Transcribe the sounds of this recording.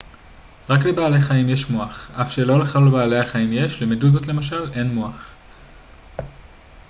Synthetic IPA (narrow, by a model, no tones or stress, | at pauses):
ʁaklebaːleχaimje̞ʃmoaχafʃelo̞leχalebaːleaχaimje̞ʃlemeduzotle̞maʃale̞nmoaχ